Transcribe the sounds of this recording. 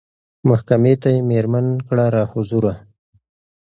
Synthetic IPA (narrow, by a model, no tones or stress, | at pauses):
mahkamet̪ajemeɾmankɽaɾɑhʊzuɾa